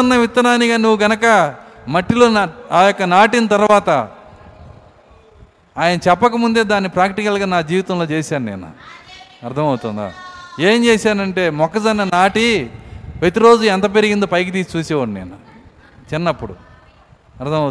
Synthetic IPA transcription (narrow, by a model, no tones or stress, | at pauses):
ɐnːɐʋit̪ːɐnaːniɡaːnuʋːuɡɐnɐkɐmɐʈːiloːaːjɔkːɐnaːʈinɐt̪ɐɾʋaːt̪ɐ | aːjɐnɐt͡ʃɛpːɐkɐmund̪e̞ːd̪aːnːipɾaːkʈikɐlɡaːnaːd͡ʒiːʋit̪ɐmlo̞ːt͡ʃeːsaːnunḛːnṵɐɾt̪ʰɐmɐwut̪und̪a̰ːe̞ːmt͡ʃeːsaːnɐɳʈe̞ːmɔkːɐsɐnːɐnaːʈi | ʋet̪iɾo̞ːd͡ʒuɛnt̪ɐpeɾiɡind̪opɐjkɐt̪iːst͡ʃuːsɛːʋɐɽnḛːnu | t͡ʃinːɐpːuɽṵ | ɐɾt̪ʰɐmɐ